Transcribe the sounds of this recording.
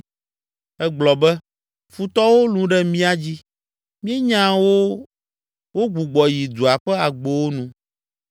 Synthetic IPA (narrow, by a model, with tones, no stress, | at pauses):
ɛ˦ɡ͡blɔ˨bɛ˦ | fu˦t̪ɔ˦wo˦lũ˦ɖɛ˦mĩ˦a˦d͡ʑi˦ | mĩ˦e˦ɲã˦wo˦ | wo˦ɡ͡bu˨ɡ͡bɔ˨ji˨d̪u˨a˨ɸɛ˦a˨ɡ͡bo˦wo˦nũ˦